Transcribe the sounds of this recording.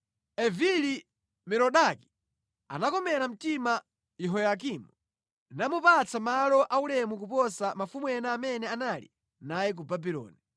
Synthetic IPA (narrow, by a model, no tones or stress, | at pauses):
ɛvili | mɛɾɔɗaki̥ | a̰nakɔmɛɾam̩tima | jɛɦɔjak̬iːmu | namupat͡sʰamalɔʔaulɛmuk̬up̬ɔsamafumwɛnaːmɛnɛanalḭ | najɛk̬ubabilɔ̰ːni